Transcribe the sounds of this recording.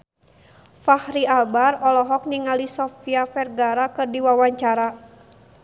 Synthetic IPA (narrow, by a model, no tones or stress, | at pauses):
fahɾiabarɔlɔɦɔk̚niŋalisɔfiafɛrɡaɾakɨrdiwawaɲt͡ʃaɾa